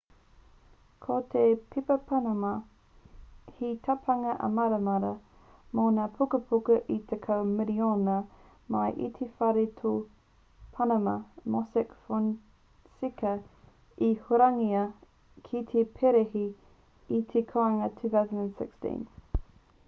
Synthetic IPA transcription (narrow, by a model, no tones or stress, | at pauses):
kʰot̪ʰepʰipɐpʰɐnɐmɐ | hit̪ʰɐpʰɐŋɐʔɐ̰mɐɾɐmɐɾɐ | moːnapʰukəpʰukɐʔit̪ʰekʰɐwmiɾionɐ | mɐjʔḭt̪ʰefɐɾit̪ʰo | pʰɐnɐmɐmosɛkfon | sikɐ | ihoɾɐŋiɐ | kʰit̪ʰepʰeɾehiː | t̪ʰekʰoɐŋɐt̪ʰʉːθawsənənsɪkstḭ̃n